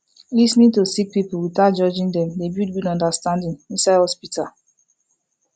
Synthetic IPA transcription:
lisnid̚tusik̚pipl̩witad͡ʒɔd͡ʒĩndɛ̃mdebjud̚bĩnɔ̃ndastãndĩŋĩnsaɪhɔspitʰal

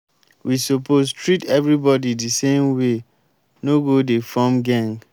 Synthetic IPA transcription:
wisopostʰɹitɛvɾibɔdidisẽmwe | noɡodefɔmɡãŋɡ

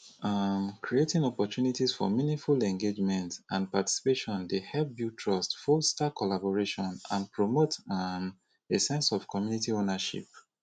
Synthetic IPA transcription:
amkʰɹietĩŋɔpɔtjunitisfɔ̰minĩŋfulɛ̃ŋɡed͡ʒmɛ̃ntãnpati̥si̥peʃɔ̃ndehɛlp̚bjutʰɹɔstfɔstakʰɔlabɔɹeʃɔ̃nã̰npɹomotam | esɛ̃nsɔv̥kʰɔmjunitionaʃḭp̚

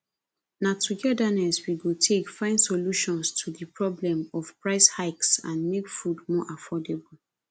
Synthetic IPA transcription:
natʰuɡɛdanɛswiɡotʰekfãɪ̃ndsoluʃɔ̃nstʰuðəpɹɔblɛ̃mɔfpɹaɪshaɪksã̰nmekfudmɔʔafʰɔdebul

